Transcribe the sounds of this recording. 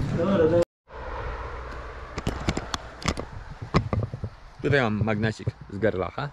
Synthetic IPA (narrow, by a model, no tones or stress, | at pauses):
t̪ut̪ajmamːaɡnɛt͡ɕikzɡɛɾla̰xa